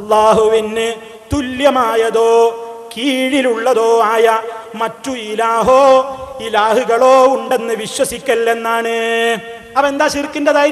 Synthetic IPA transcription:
ɐlːaːɦuʋinːe | t̪uljɐmaːjɐðoːkiːɻiluɭːɐðoːaːjɐmɐtːuilaːɦoːilaːhuɣɐɭoːuɳɖe̞nːɨʋiɕwɐsikʲːɐlːe̞nːaːɳe | ɐʋe̞nd̪aːɕirikʲːundɐðaː

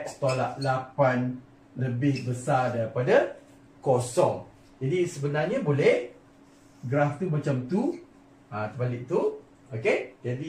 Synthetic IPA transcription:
ʔsə̥t̪olaʔ̚lapan | ləbɪhbəsadaɾipada | kosɔŋ | d͡ʒadisəbənarɲabolɛh | ɡɾaft̪umat͡ʃamt̪u | ãt̪əbalɪʔ̚t̪u | oked͡ʒadi

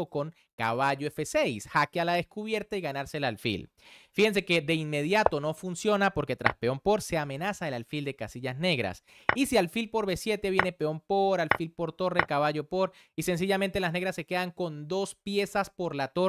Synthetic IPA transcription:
oko̞ŋ | ka̰βaʝoefe̞se̞jsxakealaðe̞skuβje̞ɾt̪aiɣanaɾselalfḭl | fihe̞ns̬e̞ke̞d̪e̞inme̞ð̞jat̪o̞no̞funsjo̞napo̞ɾke̞t̪ɾa̰spe̞o̞mpo̞ɾse̞amẽ̞nasaelalfild̪e̞kasiʝazne̞ɣɾa̰s | isialfilpo̞ɾβe̞sje̞t̪e̞β̞je̞ne̞pe̞o̞mpo̞ɾalfilpo̞ɾt̪o̞re̞kaβaʝo̞po̞ɾ | ise̞ns̬iʝamẽnt̪elazne̞ɣɾasːe̞ke̞ðaŋko̞nd̪o̞spje̞saspo̞ɾlat̪o

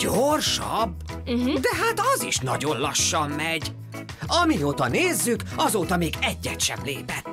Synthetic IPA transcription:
ɟ̥orʃɒ̰b | d̪ɛɦaːt̪ɒziʃnɒɟo̞nlɒʃːɒmːɛɟ | ɒmioːt̪ɒneːzːykɒzoːt̪ɒmeːɡɛɟːɛt̪ʃɛ̰blḛːpɛt̪

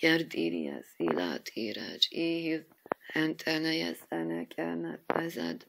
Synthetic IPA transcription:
kɛrd̪iːɾiɛsiːlaːt̪ʰiːɾɛd͡ʒeːhi | hɛnt̪ʰʼɛnɛjɛsɛnɛkʰʼɛmɛt̪ːɛzɛd̪

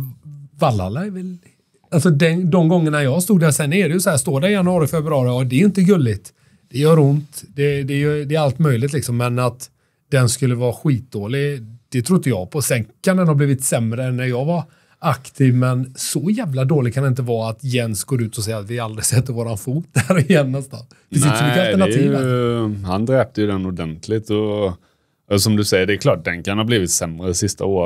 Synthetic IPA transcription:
valːa̰lːaɛɾvɛl | alsɔd̪ɛnd̪ɔmɡɔŋːəɳajɑːst̪uːɡ̪̚d̪æɾsɛnɛɾɛjəsɔhæːst̪oːɖæɾɪjanɵɑːɾɪfɛbɾɑːɾɪɑd̪ɛjɪnt̪̬əɡɵlːɪt̪ | d̪̥ɛjœːɾʊnt̪d̪ɛd̪ɛːjd̪ɛːɾalt̪mœjlɪt̪lɪksɔmːɛnat̪ | d̪̥ɛnskɵlːəvɑːɧwiːt̪̚d̪oːlɪd̪̥ɛt̪ʰɾʊd̪ːəjɑ̰ːɡpʰɔsɛnkʰand̪ɛnhɑːbliːvɪt̪sɛmɾəɛnːæɾjɑːɡvaɾ | akt̪ʰiːvmɛnsɔjæːvlad̪oːlɪɡ̚kʰand̪ɛɪnt̪əvɑːat̪jɛnsɡoːɾʉ̟ːt̪ɔsɛjːat̪vɪald̪ɾɪsɛt̪ːəɾvoːɾanfuːt̪̚d̪æɾɪjɛnːɛst̪a̰n | fɪsæsmikːəaləɳaiːəhand̪ɾɛːp̚t̪əjɵd̪ɛnʊd̪ɛnt̪ʰlɪt̪ɔ | ɛsɔmd̪ɵsɛjːəɖɛːɾkʰlɑːʈ̚d̪ɛnkʰanhɑːbliːvɪt̪sɛmɾəsɪst̪a̰oːɾə

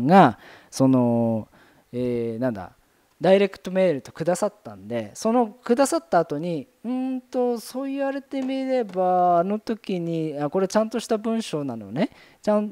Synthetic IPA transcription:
ɡaso̞no̞ | eːnãnd̪a̰ | d̪aiɾe̞kɯ̟̥t̪o̞me̞ːɾɯ̟t̪o̞̥kɯ̟d̪asat̪ːã̰nd̪e̞so̞no̞kɯ̟d̪asat̪ːaːt̪o̞ɲ̟i | ɯ̃nt̪o̞so̞ːiβaɾet̪e̞mʲiɾe̞baːno̞t̪o̞kʲiɲ̟iako̞ɾe̞t͡ɕãnt̪o̞ɕi̥t̪abɯ̟̃ɰ̃ɕo̞ːnano̞ne̞ | t͡ɕãn

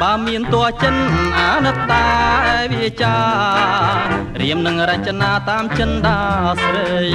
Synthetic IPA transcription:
ɓaːmiənt̪ŏət͡ɕənʔaːnɨt̪ːaːʋit͡ɕaː | riəmnɨŋrəc̚t͡ɕanaːt̪aːmt͡ɕənɗaːsʋəːj

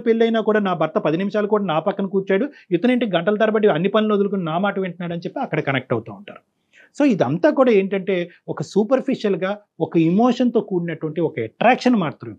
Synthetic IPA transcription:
pelːɐjnaːkuːɽaːnaːbʱɐɾt̪ɐpɐd̪inimiʃaːlɐkuːɽaːnaːpɐkːɐnukuːɾt͡ʃaːɽujet̪ːuneɳʈiɡɐɳʈɐlɐt̪ɐɾɐbɐʈ̬iɐnːipɐniloːd̪uluk̬uninaːmaːʈɐʋeɳʈɐnaːɽɐnit͡ʃepːiɐkːɐɽɐkɐnek̚ʈɐwut̪aːuɳʈa̰ːɾu | so̞ːid̪iɐnt̪aːkuːɽaːe̞ːɳʈɐɳʈe̞ː | ɔkɐsuːpɐɾpʰiʂjɐlɡaː | ɔkɐimoːʂɐnt̪oːkuːɽinɐʈuʋɐɳʈiɔkɐɛʈɾaːkʂɐnmaːɾt̪ɾɐ

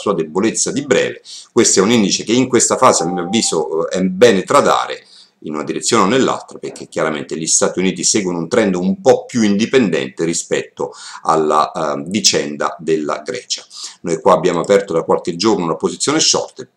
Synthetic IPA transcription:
suːad̪ebolet̪sːad̪ibɾɛ̰ːvekwest̪ɛunind̪it͡ʃekeiŋkwest̪afaːzeamːiavːiːzoɛbɛːnet̪ɾad̪a̰ːɾḛ | inunad̪iɾet̪sːjoːneonːelːa̰lt̪ɾaperk̟ʰːekjaɾamḛnt̪eʎist̪aːt̪iuniːt̪isɛːɡwonount̪ɾɛnd̪oumpɔpːjuind̪ipend̪ɛ̰nt̪eɾispɛt̪ːoa̰lːa̰vit͡ʃɛnd̪a̰d̪elːa̰ɡɾɛ̰ːt͡ʃḁnojkwaːbːjaːmoapɛrt̪od̪akːwalked͡ʒornounapozit̪sːjoːneʃɔ̰rt̪e

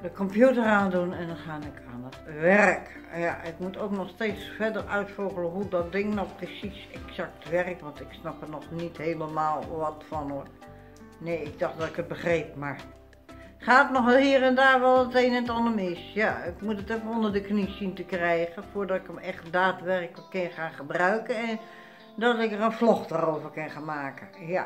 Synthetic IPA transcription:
dəkɔmpjutəraːndunɛndɔnχaːnɪkʰaːnətʋɛrk | jaɪkmutoknɔxsteːtsfɛdərœɥtfɔɣələɦudɔt̚dɪŋnɔxprəsisɛksak̚tʋɛrkʋɑntɪksnɑpənɔχnitheːləmaːlˠʋɔtfɔno | neːɪɡ̚dɔxdɑtɪkət̚bəχreːp̚maɹ | χaːtnɔxlˠhiːrɛndaːɹʋɛlˠətenɛtɔnəmɪsjaɪkmutətɛfənondəɹdəknisintəkrɛjɣənfoːɹdɔtɪkəmɛχt̚daːtʋɛrkələkːɪnχaːnχəbrœɥkənɛn | dɔtɪkərənflɔχdarowvərkɪnχanmaːkəja

